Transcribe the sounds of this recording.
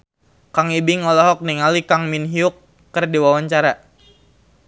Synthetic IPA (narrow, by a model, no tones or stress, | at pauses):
kaŋibiŋɔlɔɦɔk̚niŋalikaŋminɦiukː | ərdiwawaɲt͡ʃaɾa